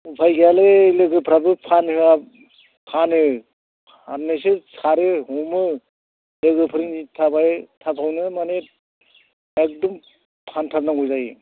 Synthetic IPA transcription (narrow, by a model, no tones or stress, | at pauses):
upʰajɡaleleɡɯpʰɾabɯpʰanhɯa | pʰanɯ | a̰nːɯsɯsaɾehɔmɯ | leɡɯpʰɯɾiŋitʰabajtʰapʰawnɯmanet̚ | ek̚dɔm | pʰantʰaɾnaŋɔjzaj